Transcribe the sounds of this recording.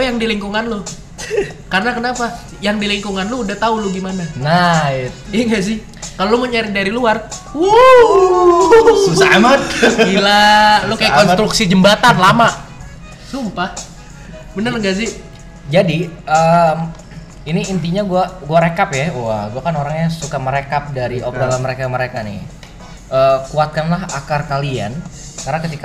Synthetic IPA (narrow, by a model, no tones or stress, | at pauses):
lojaŋdiliŋkuŋanlʊh | karənakənapa | jaŋdiliŋkuŋanlʊudaht̪aulʊɡimananaɪt̪̚iŋɡas̬ɪh | kaloloməɲaɾidaɾiluaru | samailalʊkajakɔnst̪ɾuksid͡ʒəmbat̪anlama | sumpa | bənərŋɡazi | d͡ʒadiəm | iniːnt̪iɲaɡuaɡuaɾekapjauahɡuakanoɾaŋjaŋsukaməɾekap̚daɾiʔokalaməɾekaməɾekanḭ | ʔəːkuat̪̚kanlaɦakarkalia̰n | karnakət̪ik